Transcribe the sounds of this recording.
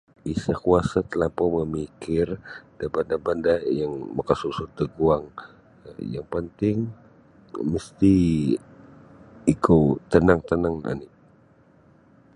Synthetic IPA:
ʔisakuasat̪əlapɔməmikɪrdabandabandajaŋmakasusʊd̪əɡuaŋ | jaŋpənt̪ɪŋ | məst̪i | kot̪ənaŋt̪ənaŋa̰ni

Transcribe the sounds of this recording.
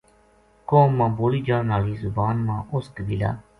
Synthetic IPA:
koːmːãːboːliːd͡ʒaːnaːliːzʊbaːnmãːʔʊskbila̰ː

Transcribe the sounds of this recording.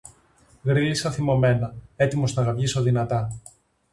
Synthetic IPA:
ɣɾilisɐθimo̞me̞nɐe̞t̪imo̞st̪ɐɣɐvʝisoðinɐt̪ɐ

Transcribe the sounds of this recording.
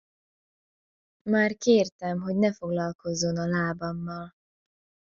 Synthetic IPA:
maːrkeːrt̪ɛmɦo̞ɟnɛfo̞ɡlɒlko̞zːo̞nɒlaːbɒmːɒl

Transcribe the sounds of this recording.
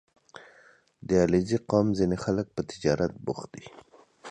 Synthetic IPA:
d̪əɑleziqɑmzinexalək̚pət̪ɪd͡ʒɑɾat̪̚bʊ̰xd̪i

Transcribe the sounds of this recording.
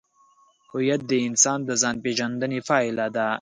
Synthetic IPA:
hʊjat̪̚d̪əɪnsɑːnd̪əzɑnpeʒand̪ənefɑːilad̪a

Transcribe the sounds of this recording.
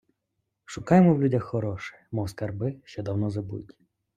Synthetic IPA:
ʃʊkɑjemɔwlʲudʲɐxːɔɾɔʃɛ̥mɔwskɐrbɪʃt͡ʃɔd̪ɐwnɔzɐbṵtʲ

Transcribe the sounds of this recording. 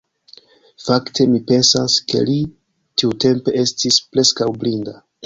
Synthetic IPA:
faktʰe̞mipe̞nsaske̞̰li | tiute̞mpe̞e̞stispɾe̞skawblinda

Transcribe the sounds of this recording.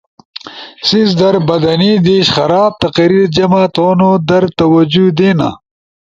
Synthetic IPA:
sizd̪ɐɾbɐd̪ɐnid̪iːɕχɐɾaːb̚t̪ɐqɐɾiːɾd͡ʑɐmat̪oːnod̪ɐɾt̪ɐwɐd͡ʑud̪eːna̰

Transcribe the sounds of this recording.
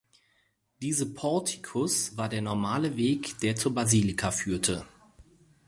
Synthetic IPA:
d̥iːzəpʰɔɐtʰi̥kʰʊsv̥aːɐdeːɐnɔɐmaːləveːkd̥eːɐt͡suːbaziːlɪkʰafyːɐtʰə

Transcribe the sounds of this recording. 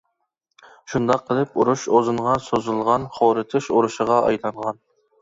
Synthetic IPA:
ʃund̪ɑqʰːəlˠɪpuɾuʃozɨɴʁɑsozɨlˠʁɑnχoːɾɨt̪ʰɨʃuɾuʃəʁɑʔɑjlˠɑɴʁɑn

